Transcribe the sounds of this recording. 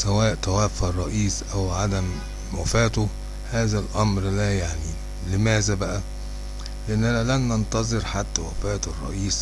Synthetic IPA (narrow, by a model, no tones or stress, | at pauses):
sæwæːʔt̪æwæːfærˤːɑʔiːsʔæwʕad̪æm | wæfæːt̪o | hæːzælʔɑmɾlæːjaʕni | lemæːzæbæʔæ | leʔenːʔænælænːɑnt̪ɑzˤɨɾħat̪ːæwæfæːt̪ɑrˤːɑ̰ʔiːs